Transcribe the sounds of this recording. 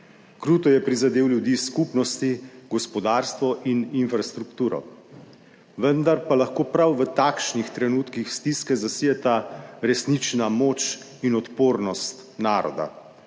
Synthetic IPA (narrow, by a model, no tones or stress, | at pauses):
kɾuːt̪ɔjɛpɾizad̪eːwljud̪iːskupnɔst̪iɡɔspɔd̪aːɾst̪ʋɔʔininfɾast̪ɾukt̪uːɾɔ̰ | ʋənd̪aɾpalaxkoːpɾawʋət̪akʃnixt̪ɾɛnuːt̪kixst̪iskɛzasijɛt̪aɾɛsnit͡ʃnamoːt͡ʃ | inɔt̪poːɾnɔst̪ | naːɾɔ̰d̪a̰